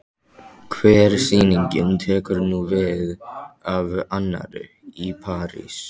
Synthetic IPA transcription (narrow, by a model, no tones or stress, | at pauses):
kʰvɛːɾsiːniɲcɪnt̪ʰɛːkʏɾnuvɪðavanːa̰ɾɪ | ipʰaːɾḭs